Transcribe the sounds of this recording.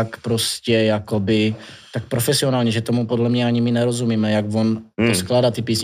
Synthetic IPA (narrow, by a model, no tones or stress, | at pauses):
akpɾo̞scɛjako̞bɪt̪ak̚pɾo̞fɛsɪo̞naːlɲɛʒɛt̪o̞mupodlɛmɲɛaɲɪmɪnɛɾo̞zumiːmɛjaɡvo̞nt̪osklaːdat̪ɪpiːsɲ